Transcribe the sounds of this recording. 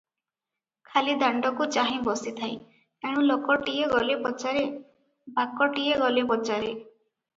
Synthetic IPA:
kʰalid̪aɳɖɔkut͡ʃaɦĩbɔsit̪ʰaj | eɽ̃ũlokɔʈieɡɔlipɔt͡ʃaɾe | bakɔʈieɡɔlibɔt͡ʃaɾe

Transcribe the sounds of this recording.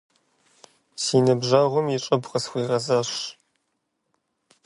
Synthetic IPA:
siːnɐbʒɐʁʷʊmjɪʈ͡ʂʼɐbqɐsxʷiːrɐzɐɕ

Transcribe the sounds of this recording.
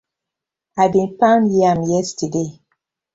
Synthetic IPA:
aɪbĩnpãnjiãmjɛstəde

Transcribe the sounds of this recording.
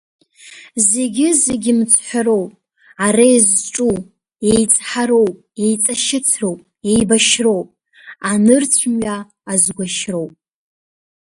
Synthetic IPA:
ze̞ɡʲɪzeɡʲɪmt͡sʷʰħʷaɾo̞wpʼ | aɾajzʈ͡ʂʼu | ejt͡sʼħaɾo̞wpʼe̞jt͡sʼaʃɪt͡sʰro̞wpʼ | e̞jbaʃro̞wpʼ | anɨrt͡sʷʰmɥaː | zɡʷaʃro̞wpʼ

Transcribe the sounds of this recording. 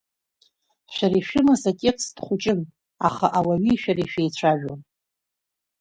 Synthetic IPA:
ʃᶣaɾiʃᶣɪmasatʲʼekʰsdχʷʊt͡ʃʼɪn | a̰χaʔawaɥiʃᶣaɾiʃᶣejt͡ɕʷʰaʒᶣo̰n

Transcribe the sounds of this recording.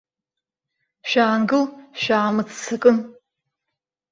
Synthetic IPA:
ʃᶣaːŋɡɨlʃᶣaːmɨt͡sʰt͡sʰɐkʼɨn

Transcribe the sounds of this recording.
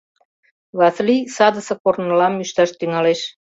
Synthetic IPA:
βɑslisɑd̪ə̆sɤ̆kornə̆lɑmːyʃt̪ɑʃt̪yŋɑleʃ

